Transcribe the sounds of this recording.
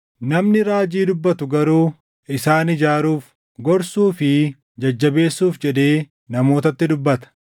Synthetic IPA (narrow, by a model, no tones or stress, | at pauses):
nɐmnɪɾaːd͡ʒiːd̪ʊbːɐt̪ʊɡɐɾuː | ɪsaːnɪd͡ʒaːɾuːf | ɡɔɾsuːfɪ | d͡ʒɐd͡ʒːɐbe̞ːsːuːfd͡ʒɛd̪e̞ː | nɐmo̞ːt̪ɐt̪ːɪd̪ʊbːɐt̪ɐ̥